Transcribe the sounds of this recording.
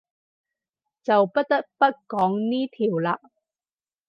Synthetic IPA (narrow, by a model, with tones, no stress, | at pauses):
t͡sɐ˨wpɐ˥t̚t̪ɐ˥k̚pɐ˥t̚kɔː˨˥ŋniː˥t̪ʰiː˨˩wlaː˧